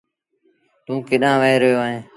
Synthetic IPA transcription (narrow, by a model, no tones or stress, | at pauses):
t̪ũːkɪɗãːʋəeːɾəjoːaːɦẽː